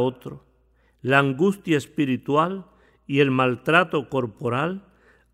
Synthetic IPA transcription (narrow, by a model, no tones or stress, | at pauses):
ot̪ɾo | laːŋɡust̪jaespiɾit̪wal | ielmalt̪ɾat̪oko̞ɾpoɾal